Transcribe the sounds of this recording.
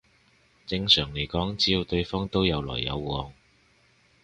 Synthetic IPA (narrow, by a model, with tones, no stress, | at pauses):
t͡sɪ˧ŋsœː˨˩ŋle˨˩jkɔː˨˥ŋt͡siː˥ji˨˧t̪ɵ˧ɥfɔː˥ŋt̪o˥wjɐ˨˧wlɔ̰ː˨˩jːɐ̰˨˧wːɔː˨˧ŋ